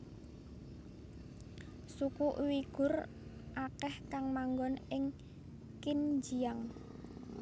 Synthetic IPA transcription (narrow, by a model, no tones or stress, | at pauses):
sukuʔwiɡ̥ʊ̤r | ʔakɛhkaŋmaŋɡɔnɪŋ | kind͡ʒijaŋ